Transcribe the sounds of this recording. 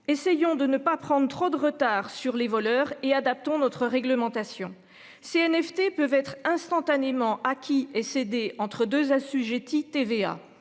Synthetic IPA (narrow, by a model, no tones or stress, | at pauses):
esɛjɔ̃d̪ənəpapχɑ̃d̪ʁt̪χod̪əʁət̪aːʁsyʁlevɔlœːʁead̪ap̚t̪ɔ̃nɔt̪χəʁɛɡləmɑ̃t̪asjɔ̃ | seɛnɛft̪epøvɛt̪χɛ̃st̪ɑ̃t̪anemɑ̃ʔakʲiɛsed̪eɑ̃t̪χəd̪øzasyʒet̪it̪evea̰